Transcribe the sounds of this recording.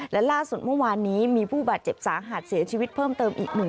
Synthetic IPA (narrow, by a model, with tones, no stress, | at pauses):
lɛ˦˥laː˥˩su˨˩t̪̚mɯ˥˩waː˧nːiː˦˥miː˧pʰuː˥˩baː˨˩t̪̚t͡ɕe˨˩p̚saː˩˦ŋɦa˨˩t̪̚si˩˦t͡ɕʰiː˧wi˦˥t̪̚pʰɤː˥˩mt̪ɤː˧mʔḭː˨˩k̚nɯ˨˩